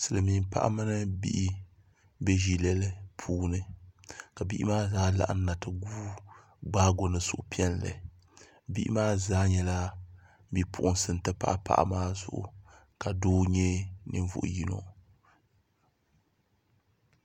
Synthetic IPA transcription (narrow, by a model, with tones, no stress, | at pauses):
sɨ˨lɨ˨mi˨m˦pa̰˦ʔa̰˦mɨ˦nɨ˦bḭ˦ʔi˦ | bɛ˦ʒi˦lɛ˦lɨ˦pʰuː˦nɨ˦ka˨bḭ˦ʔi˦maː˦zaː˦la̰˨ʔa˦n˦na˨tɨ˨ɡuː˦ | ɡ͡baː˦ɡo˨nɨ˨sʊ˨ʔʊ˨pi˦ɛ˦nlɨ̰˨ | bḭ˦ʔi˦maː˦zaː˦ɲɛ˦la˦ | bi˦pʊ˨ʔʊ˦nsɨ˨n˨tɨ˦pa˦ʔa̰˦pa̰˦ʔa̰˨maː˦zʊ̰˨ʔʊ̰˨ | ka˨doː˦ɲɛ˦nɨ˨ɱ˦vʊ̰˦˨ʔʊ̰˨ji˦no̰˨